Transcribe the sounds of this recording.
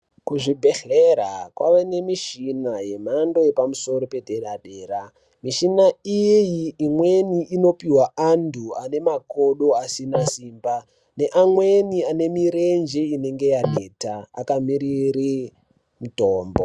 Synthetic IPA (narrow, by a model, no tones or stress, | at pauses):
kuʐibʱe̞ɬeɾakwa̰ʋene̞miʃinaje̞mando̞je̞pamuso̞ɾo̞pe̞dʱeɗaɗeːɾa | miʃinaijjiːmweniʔino̞piɦwaandʱuane̞mako̞ɗo̞asinasiːmba | ne̞ʔamweniane̞miɾe̞nd͡ʒeine̞ŋɡe̞jaɗeːtaa̰kamiɾiri | mutoːmbo